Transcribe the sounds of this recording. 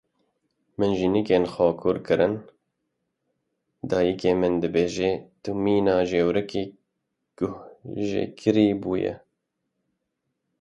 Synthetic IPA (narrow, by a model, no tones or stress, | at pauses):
mɨnʒinikeːnxɑːkʰuːɾkʰɨɾɨn | d̪ɑːjikeːmɨnd̪ɨbeːʒeːt̪umiːnɑːʒeːwɾɨkiː | ɡ̥ʊhʒḛkʰɨɾiːbuːjɛ̰